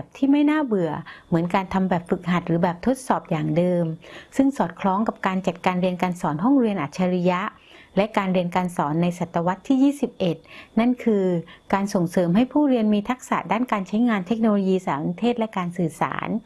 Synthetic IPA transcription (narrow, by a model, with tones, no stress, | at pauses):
p̚t̪ʰiː˥˩ma˥˩jnaː˥˩bɯ˨˩əmɯ˩˦ənkaː˧nt̪ʰa˧mbɛː˨˩p̚fɯ˨˩k̚ha˨˩t̪̚ɾɯː˩˦bɛː˨˩p̚t̪ʰo˦˥t̪̚sɔː˨˩p̚jaː˨˩ŋdɤː˧msɯ˥˩ŋsɔː˨˩t̪̚kʰlɔː˦˥ŋka˨˩p̚kaː˧nt͡ɕa˨˩t̪̚kaː˧nɾi˧ənkaː˧nsɔː˩˦nɦɔ˥˩ŋɾi˧ənʔa˨˩t̪̚t͡ɕʰaː˧ɾi˦˥ja˦˥ | lɛ˦˥kaː˧nɾi˧ənkaː˧nsɔː˩˦nːa˧jsa˨˩t̪ːa˧wa˦˥t̪ʰːiː˥˩jiː˥˩si˨˩p̚ʔe˨˩t̪̚na˥˩nkʰɯː˧kaː˧nso˨˩ŋsɤː˩˦mɦa˥˩jpʰuː˥˩ɾi˧ənmiː˧t̪ʰa˦˥k̚sa̰˨˩daː˥˩nkaː˧nt͡ɕʰa˦˥jŋaː˧nt̪ʰe˦˥k̚noː˧loː˧jiː˧saː˨˩˦ʔt̪ʰeː˥˩t̪̚lɛ˦˥kaː˧nsɯː˨˩sa̰ː˩˦n